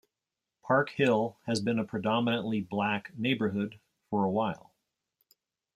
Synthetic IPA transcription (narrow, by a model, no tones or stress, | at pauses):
pʰɑɹkhɪlˠɨzbɨ̃nəpʰɹ̥ɨdɑmənə̃nʔliblækneɪbə˞ɦʊd̥ | fə˞əwaɪlˠ